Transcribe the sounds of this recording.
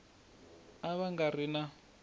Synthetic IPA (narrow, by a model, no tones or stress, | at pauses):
aβaŋɡarina